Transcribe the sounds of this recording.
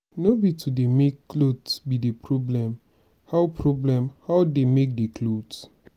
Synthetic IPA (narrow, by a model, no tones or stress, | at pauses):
nobitudemekːlodbidepʰɹɔblɛ̃m | haʊpʰɹɔblɛ̃mhaʊdemek̚dekʰlods